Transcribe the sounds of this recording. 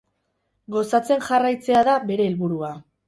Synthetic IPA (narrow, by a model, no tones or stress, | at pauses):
ɡo̞sat͡se̞nʝarajt͡se̞aðabe̞ɾe̞ːlβuɾua